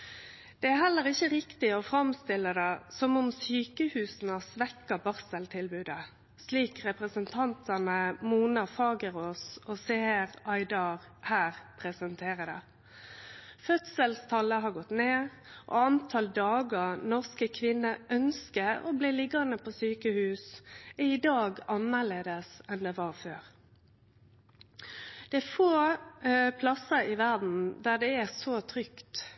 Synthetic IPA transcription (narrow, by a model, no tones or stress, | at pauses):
d̪̥ɛæɦɛlːəɾɪçəɾɪkt̪ɪɔfɾɑmst̪ɪlːəd̪ɛsɔmʊmsyːkəhʉːsn̩ɑsʋɛkːɑbɑʁsəlt̪ʰɪlbʉːd̪ə | sliːkɾɛpʁəsənt̪ʰɑnt̪ɑnəmuːnɑfɑːɡəɾoːsɔseːɾɑɪd̪ɑɾ | hæːɾpʰɾɛsənt̪ʰeːʁəd̪ɛ | fœt̪səlst̪ʰɑlːəɦɑɾɡɔt̪neːɾ | ʔɔ̰ɑnt̪ʰɑld̪ɑːɡəʁnɔʁskəkʰʋɪnːəʔœnskəɾo̰bliːlɪɡɑnəpʰoːsyːkəhʉːsɛɪd̪ɑːɡɑnːəɭeːd̪əsɛnd̪ɛʋɑɾføːʁ | d̪̥ɛæfoː | pʰlɑsəɾɪʋæʁd̪n̩d̪æd̪ɛæsoːt̪ʰʁʏkt̪